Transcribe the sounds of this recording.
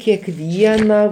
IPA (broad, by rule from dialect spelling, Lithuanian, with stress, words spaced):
kʲɛkˈʋʲiɛnɐ